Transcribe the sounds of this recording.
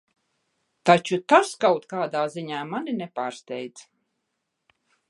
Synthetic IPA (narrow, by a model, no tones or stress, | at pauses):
t̪at͡ʃut̪askawt̪kaːd̪aːziɲaːmaninɛpaːɾst̪ʲɛjd̪z